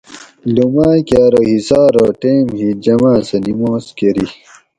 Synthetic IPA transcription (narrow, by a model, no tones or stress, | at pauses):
lumaːkʲaːɾohisaːɾoʈeːmhid͡ʑɐmãːsɐnimoːskeɾi